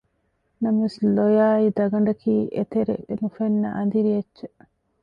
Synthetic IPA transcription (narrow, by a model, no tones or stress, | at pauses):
nɐmɐʋeslojaːid̪ɐɡɐɳɖɐkiːʔet̪eɾḛʔnufenːɐ̰ʔɐnd̪iɾijɐt͡ʃːt͡ʃe